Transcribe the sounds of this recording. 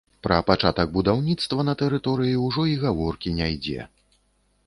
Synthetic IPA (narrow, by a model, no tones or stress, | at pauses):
pɾɐpat͡ʂat̪ɐɡ̚bud̪awnʲit̪st̪vɐnɐt̪ɛɾɨt̪ɔɾɨjiuwʐɔiɣavɔrkʲinʲajd͡zʲɛ̰